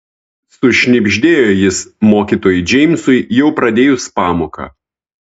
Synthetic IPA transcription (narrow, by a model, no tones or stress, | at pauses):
sʊʃʲnʲɪbʲʒʲd̪ʲeːjojɪsmoːkʲiːˑt̪oːjʊd͡ʒʲɛɪmsʊɪjɛʊpɾɐd̪ʲeːjʊspɑːmoːkɐ̰